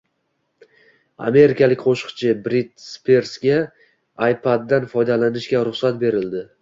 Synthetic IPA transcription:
a̰me̞ɾɪkʲʰalɪkʲqʰoʃqt͡ʃʰɪbɾit̪spe̞ɾsɡʲa | ajpʰad̪ːanfɒjd̪alanɪʃkʲaɾʊχsat̪̚be̞ɾɪld̪ɪ

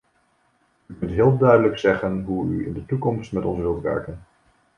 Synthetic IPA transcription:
ykɵntɦɪːlˠdœɥdələksɛχənɦuy̰ɪ̰ndətukɔmstmɛtɔnsʋɪlˠtʋɛ̰ɹkən

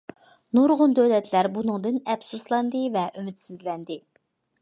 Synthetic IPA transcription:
nuɾʁʊnd̪øwlɛt̪ʰlæɾbunɨŋd̪ɨnɛbsuslˠɑnd̪ɨvɛʔymɪt̪sɪzlɛnd̪ɪ

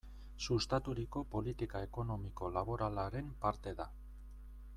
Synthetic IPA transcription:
sust̪at̪uɾiko̞po̞lit̪ikae̞ko̞no̞miko̞laβ̞o̞ɾalaɾe̞mpaɾt̪e̞ða

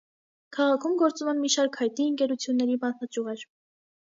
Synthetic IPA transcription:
kʰɑʁɑkʰumɡɔɾt͡sumɛnmiʃɑɾkhɑjt̪̚niəŋkɛɾut͡sʰjunːɛɾibɑt̪ɑt͡ʃuʁɛɾ

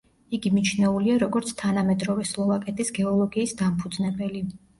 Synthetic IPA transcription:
iɡimit͡ʃʰnɛuliaɾɔɡɔɾt̪sʰt̪ʰanamɛd̪ɾɔvɛslˠɔvakʼɛt̪ʼisɡɛɔlˠɔɡiːsd̪ampʰud̪znɛbɛli

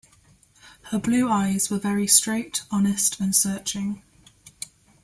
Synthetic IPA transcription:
həblʉːaɪz̥wəvɛɹistɹ̥eɪtʰɒnɪstʰə̃nsɜˑt͡ʃɪ̃ŋ

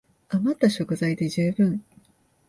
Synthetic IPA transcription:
amat̪ːaɕo̞kɯ̟zaid̪e̞ʑɨːbɯ̟̃ɴ

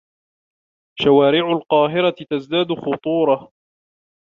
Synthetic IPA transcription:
ʃawaːɾɪʕʊlqɑːɦɪɾat̪azd̪aːd̪ʊxʊt̪ˤuːɾˤɑ

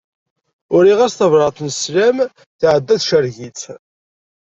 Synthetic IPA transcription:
ʊɾiʁæsθəvɾˤɑθˤnslæm | θʕəd̪ːæθʃəɾʝit͡s

